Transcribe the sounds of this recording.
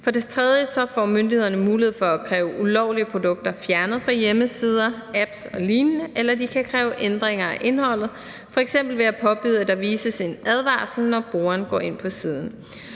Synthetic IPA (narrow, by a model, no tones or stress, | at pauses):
fɒ̽de̝t͡sʰʁɛð̞ˠjəsɒ̽fɒ̰ːmønd̥ihe̝ðˠɐnəmuːlihḛfɒ̽ækʰʁɛːʊʔulɒʊ̰liəpʰʁo̝d̥ɔ̽ɡ̥̚d̥ɐfjæɐnəð̩ˠfʁɑ̈jeməsiːð̞ˠɐæb̥sɒ̽liːnnəʔelɐd̥ikʰækʰʁɛːʊʔend̥ʁeŋɐæʔe̝nhɒ̽l̰ð̞̩ˠ | fɒ̽eɡ̥sem̰b̥l̩ʋe̝æpʰɒ̽b̥y̰ð̰ˠæd̥ɑ̈ʋiːsəse̝næð̞ˠʋɑ̰̈ːsl̩nɒb̥ʁo̝ːɐnɡ̥ɒ̰ːe̝n̰pʰɒ̽siːð̞ˠn̩